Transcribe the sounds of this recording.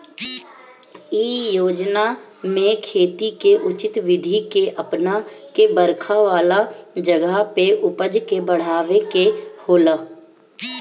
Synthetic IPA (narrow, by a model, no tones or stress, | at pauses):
iːjoːd͡ʒnamẽkʰeːt̪ikeʔʊt͡ʃɪt̪ʋɪd̪ʱikeʔəpnakebəɾkʰaʋaːlad͡ʒəɡapeʔʊpəd͡ʒkebəɽ̤aːʋekehoːlaː